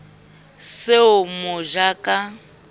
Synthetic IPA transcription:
seʊmʊʒakʼa

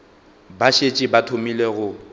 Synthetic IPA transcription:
baʃet͡ʃʼɪbatʰomileɣʊ

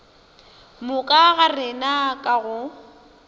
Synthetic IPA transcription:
mʊkʼaɣarɪnakʼaɣʊ

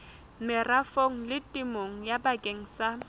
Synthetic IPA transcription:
mɪrafoŋ̩lɪtʼɪmoŋ̩jabakʼeŋ̩sa

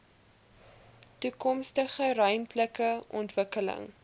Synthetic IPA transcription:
tukɔmstəχəɾœɥmtləkəʔɔ̰ntvəkələ̰ŋ

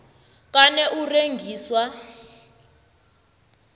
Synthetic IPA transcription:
kanɛʔureŋɡʱiːswa

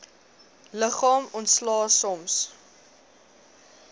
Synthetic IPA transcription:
ləχɑːmɔntslɑːsɔms

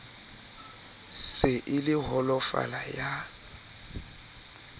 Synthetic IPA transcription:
sɪʔɪlɪɦɔlɔfa̰laja

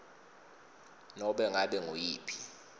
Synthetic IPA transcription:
nɔɓɛŋaɓɛŋojiːpʰi̥

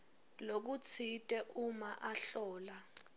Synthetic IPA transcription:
lok̬ut͡sʰitʼɛʔumaʔaɬɔːla

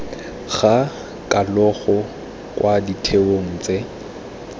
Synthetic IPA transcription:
ɣa | kʼalɔɣɔ | kʼwʔaditʰeoŋ̩ːt͡sʼe

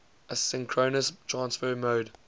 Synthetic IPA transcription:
əsɪ̃ŋkʰɹoːnəstʰɹãnsfəɹmoːd

